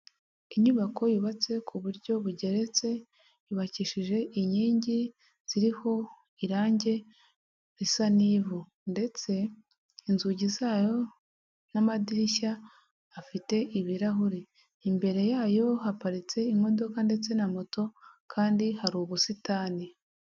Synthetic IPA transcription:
iɲuβakʰo̞juβat͡se̞kʰuβuɾɟo̞βuɟe̞ɾe̞t͡se̞ | juβaciʃiʒe̞ʔiɲiːɲɟi | z̥iɾiho̞ | iɾaːɲɟe̞ | ɾisaniːvu | nde̞t͡se̞ | inzuɟizaːjo̞ | namadiɾiʃaː | fite̞ʔiβiɾaɦuɾi | imbe̞ɾe̞jaːjo̞ɦapaɾit͡se̞imo̞do̞kande̞t͡se̞namoto̞kʰaːndihaɾuːβusitaːni

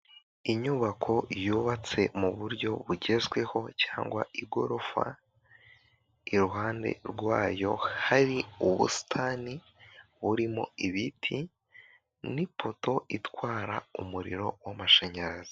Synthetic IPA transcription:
iɲuβakʰo̞juːβat͡se̞muβuɾɟo̞βuɟe̞zwe̞ho̞caːŋɡwa̰iɡo̞ɾo̞fa̰ | iɾuɦaːnde̞̰ɾɡwaːjo̞haɾiuβṵsi̥tʰani | βuɾimo̞iβitʰi | nipʰo̞to̞itwaːɾaumuɾḭɾo̞wamaʃeɲaɾazi

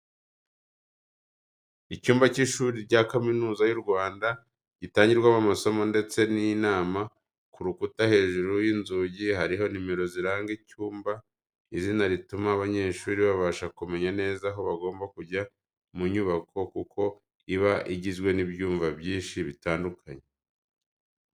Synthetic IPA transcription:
icuːmbaciʃuːɾiɾɟakaminuːzajuɾɡwaːnda | ɟ̥itaːɲɟiɾɡwamumaso̞mo̞nde̞t͡se̞nijnaːma | kuɾukutahe̞ːʒuɾujinzuːɟiɦaɾiɦo̞nimeɾo̞ziɾaːŋɡicuːmba | izinaɾitumaːβaɲe̞ːʃuːɾiβaβaːʃakume̞ɲane̞ːzaɦo̞βaɡo̞ːmbakuɟa | muɲuβakʰo̞kukʰo̞ | iβaʔiɟizɡwe̞nibjuːɱvabjiːnʃiβitaːndukʰaɲe

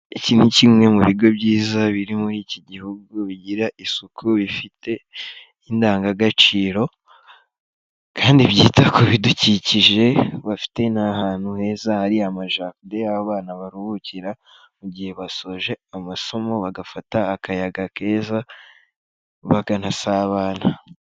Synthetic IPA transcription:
icinhucimŋe̞muβiɾɡo̞bɟiːzaβiɾimuɾiːciɟihuɡuβiɟiɾaʔisukʰuβifitʰe̞ | indaːŋɡaɡat͡ʃiːɾo̞ | kʰaːndiβjiːtakʰoβiduciciʒe̞βafi̥te̞nahaːn̥huhe̞ːzahaɾiamaʒakudeaβaβaːnaβaɾuβuciɾa | muɟihe̞βaso̞ʒe̞amaso̞mo̞βaɡafataːkajaɡake̞ːza | βaɡanasaβaːna

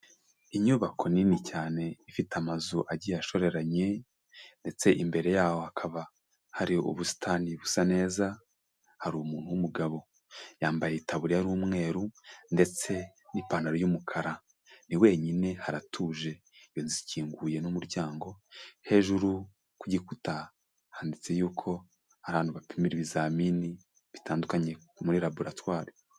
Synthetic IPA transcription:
iɲuːβakʰo̞ninicaːne̞ifitamazuʔaɟijaʃo̞ɾe̞ɾaɲe̞ | nde̞t͡se̞ʔimbe̞ɾe̞jaːho̞hakʰaβa | haɾiṵβusi̥tʰaniβusane̞ːza | haɾumuːn̥huwumuɡaβo̞ | jaːmbajeitaβuɾihaɾuːmŋe̞ːɾunde̞t͡se̞ | nipanaɾojumukʰaɾa | niwe̞ɲine̞haɾatʰuːʒe̞ | jo̞nziciːŋɡuje̞numuɾɟaːŋɡo̞he̞ʒuɾu | kuɟikuta | haːndit͡se̞juːkʰo̞ | aɾaaːnuβapimiɾiβizamini | βitaːndukaɲe̞muɾiɾaboɾatwaːɾi

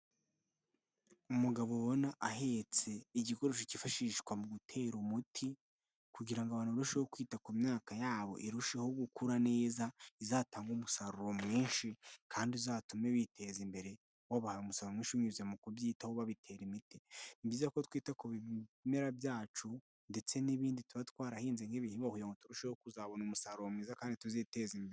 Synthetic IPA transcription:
umuɡaβoβo̞naʔaɦe̞t͡se̞iɟiko̞ɾoʃ̬ocifaʃiːʃkwamuɡutʰe̞ːɾumutʰi | kuɟiɾaŋɡoaβaːnuɾuʃehokwiːtakumɲaːkajaːβo̞̰ʔiɾuʃeho̞ɡukuɾane̞ːzaizaːtaːŋɡumusaɾuɾo̞mŋiːnʃikʰaːndizaːtumeβitʰe̞zimbe̞ɾe̞ | waβahajomusaɾuɾomŋiːʃiɲuzemukuβjiːtahoβaβitʰe̞ːɾimiti̥nibiːzako̞twiːtakoβime̞ɾabjaːt͡ʃu | nde̞t͡se̞niβiːndituβatwaːɾahiːnzeŋeβihibahujaŋɡotuɾuʃehokuzaːβo̞nomusaɾuɾomiːzakaːndituzitezimbeɾe

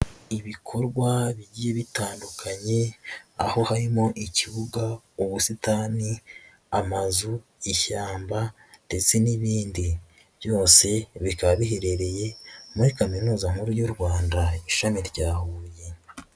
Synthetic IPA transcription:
iβikʰo̞ɾɡwaβiɟije̞βitaːndukʰaɲe̞a̰ho̞haɾimo̞ʔiciβuɡa | oβusitaːni | amazu | içaːmba | nd̥e̞t͡se̞niβiːndi | βjo̞ːse̞βikaββiɦe̞ɾe̞ɾe̞je̞muɾikaminuːzaŋ̥uɾujoɾɡwaːndaiʃamiɾɟaːhuːje̞

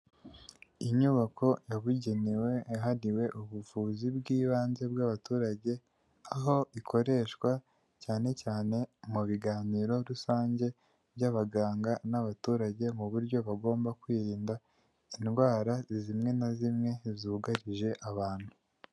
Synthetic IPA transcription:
iɲuβakʰo̞jaβuɟe̞niwe̞ɦaɾiwe̞ʔuβuvuːzibɡiːβaːnze̞b̚ɡaβatuːɾaɟe̞ | aɦo̞ikʰo̞ɾe̞ʃkwa | caːne̞caːne̞muβiɡaːniːɾo̞ɾusaːɲɟe̞ | bɟaβaɡaːŋɡanaβatuːɾaɟe̞muβuɾɟo̞βaɡo̞ːmbakwiːɾiːnda | inɡwaːɾazizimŋe̞nazimŋe̞zuːɡaɾiʒe̞ʔaβaːn̥hu

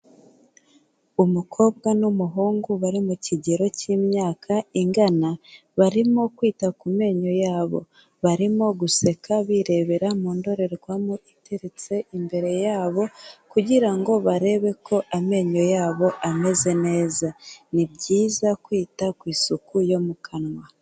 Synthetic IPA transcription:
umukʰo̞ːb̚ɡanumuɦuːŋɡuβaɾimuciɟeɾo̞cimɲaːkʰaiŋɡana | βaɾimo̞kwiːtakume̞ːɲo̞jaːβo̞̰ | βaɾimo̞ɡuse̞kaβiɾe̞βe̞ɾamuːndo̞ɾe̞ɾekwamuʔiteɾit͡se̞ʔimbe̞ɾe̞jaːβo̞kuɟiɾaŋɡo̞βaɾe̞βe̞kʰo̞ʔame̞ːɲo̞jaːβo̞ʔame̞ze̞ne̞ːzanibɟiːzakwiːtakwiːsukujo̞mukʰanwa

